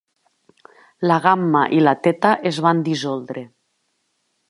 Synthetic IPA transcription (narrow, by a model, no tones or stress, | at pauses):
laɣamːaʔilat̪et̪aʔezβand̪izolˠd̪ɾe